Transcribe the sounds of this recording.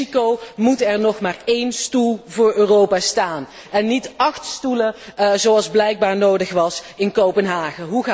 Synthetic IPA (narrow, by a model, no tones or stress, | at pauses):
ikowmutɛɹnɔχmaːɹejnstulˠvʊːɹøːrowpaːstaːn | ɛnːitɑxtstuləzowɑlˠzblɛjɡ̚baːɹnowdəχʋɑsɪnkowpənɦaːχəɦuɣaː